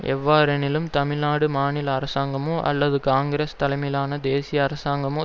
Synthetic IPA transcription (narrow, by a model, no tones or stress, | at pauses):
ʔɛ̰ʋːaːɾɐnɪlɯmt̪ɐmɪɭnaːɽɯmaːnɪlɐːɾɐsaːŋɡɐmõːʔɐ̰lːɐðɯkaːŋɡɾeːst̪ɐlɐɪmɐɪlaːnɐd̪eːsɪjɐːɾɐsaːŋɡɐmõː